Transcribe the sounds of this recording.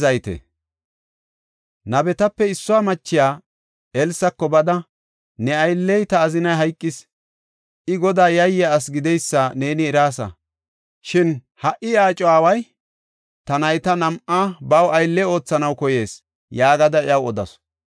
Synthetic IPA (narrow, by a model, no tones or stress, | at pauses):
zɐjt̪ɛ̰ | nɐbɛt̪ɐpːɛɪsːʊwaːmɐt͡ʃːɪjaː | ɛlsɐkːɔbɐd̪ɐ | nɛɐjlːɛjt̪ɐːzɪnɐjɦɐjkʼːɪs | ʔɪɡɔd̪aːjɐjːɐːsɡɪd̪ɛjsːɐne̞ːnɪːɾaːsɐ̰ | ʃɪn | hɐʔɪaːt͡ʃʼɔwaːwɐj | t̪ɐnɐjt̪ɐnɐmʔabɐwɐjlːɛo̞ːt͡sːɐnɐwkɔje̞ːs | jaːɡɐd̪ɐɪɐwɔd̪ɐ̰s